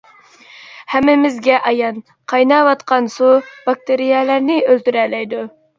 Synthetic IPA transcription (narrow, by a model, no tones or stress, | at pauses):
hæmːɪmɪzɡʲɛʔɑjɑn | qʰɑjnɑwɑt̪qʰɑnsub̥ɑk̚t̪eɾijɛlæɾnɪølt̪yɾɛlɛjd̪u